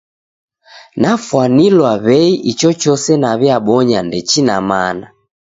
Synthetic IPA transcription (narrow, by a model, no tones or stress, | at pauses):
nafwanilwaβɛiʔit͡ʃɔt͡ʃɔsɛnaβjaɓɔɲandɛt͡ʃinamana